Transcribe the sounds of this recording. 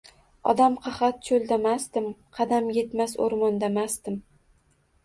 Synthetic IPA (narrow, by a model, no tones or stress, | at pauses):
ɒ̰d̪amqʰɑχɑt̪̚t͡ʃʰolˠd̪amast̪ɪmqʰɑd̪amje̞t̪maso̰ɾmɒnd̪amasd̪ɪm